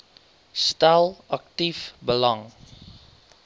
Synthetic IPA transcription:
stælɐk̚tifbəlaŋ

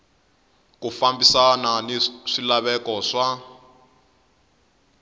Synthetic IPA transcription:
kufambisananiʂilaβɛkɔʂa

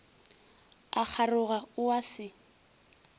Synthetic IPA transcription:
ak͡xʰarʊɣaʊwasɪ

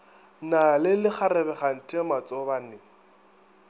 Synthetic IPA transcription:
nalɪlɪχarɛbɛχan̩tʼɪmat͡sʼɔbanɪŋ̩

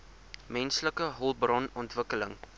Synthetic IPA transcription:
mɛnsləkəɦɔlˠbrɑnɔntvəkələŋ

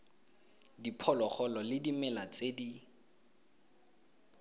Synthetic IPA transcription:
dipʰɔlɔχɔlɔlɪdimɛlat͡sʼedi

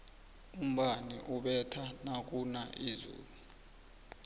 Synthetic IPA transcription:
um̩ɓaniʔuɓɛtʰanak̬ʼunaʔizṵːlu

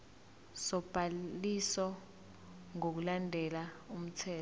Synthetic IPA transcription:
sɔb̥ʱalisɔ | ŋok̬ulandʱɛlaum̩tʰɛː

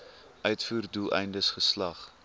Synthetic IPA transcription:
ʔœɥtfuːrdulˠɛ̰jndəsχəslɐχ

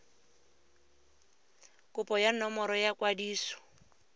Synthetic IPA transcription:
kʼʊpʼɔjanɔmɔɾɔjakwadiːsɔ̥

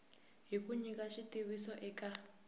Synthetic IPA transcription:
ɦikuɲikaʃitiwisɔʔɛka

